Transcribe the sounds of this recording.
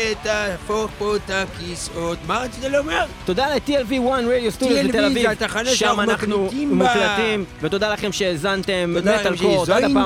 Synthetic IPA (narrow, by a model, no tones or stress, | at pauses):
et̪afopot̪akisot̪maatit̪aleomeʁt̪od̪alet̪ielviwanʁediost̪udioet̪elavivt̪aaneʃamanaχnumuklat̪imvet̪o̞d̪alaχemʃezant̪emːealkotadappaː